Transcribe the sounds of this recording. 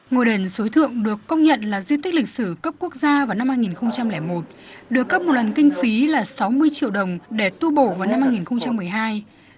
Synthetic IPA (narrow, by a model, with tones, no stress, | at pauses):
ŋo˨˩jɗe˨˩nso˨˦jt̪ʰɨ̰˧˨əŋɗɨ˨˩əkːə˧wŋ͡mɲə̰˧˨nlaː˨˩zi˧t̪i˦˥k̟̚lï˨˩k̟̚sɨ˧˩kə˦˥p̚ku˦˥ək̚zaː˧vaː˨˩na˧mhaː˧jŋi˨˩nxə˧wŋ͡mt͡ɕa˧mlɛ˧˩mo˨˩t̚ɗɨ˨˩əkːə˦˥p̚mo˨˩t̚lə˨˩nkï˧ŋ̟fi˨˦laː˨˩sa˨˦wmɨ˧əjt͡ɕḭ˧˨wɗə˨˩wŋ͡mɗe˧˩t̪u˧ɓo̰˧˩vaː˨˩wna˧mhaː˧jŋi˨˩nxə˧wŋ͡mt͡ɕa˧mːɨ˨˩əjɦaː˧j